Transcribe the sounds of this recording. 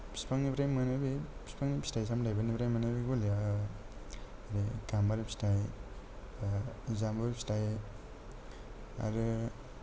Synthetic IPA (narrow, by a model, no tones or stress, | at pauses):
pʰi̥spaŋnipɾajmanɯbipʰi̥spaŋnipʰi̥stajsamdajbanipɾajmanabiɡulia | aɾikambaɾipistaj | zambaɾpstaj | a̰ɾɯ